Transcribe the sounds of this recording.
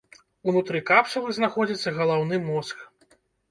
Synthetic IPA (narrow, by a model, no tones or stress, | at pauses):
unut̪ɾɨkapʂɐlˠɨznaxɔd͡zʲit̪sːɐɣɐlˠawnɨmɔsk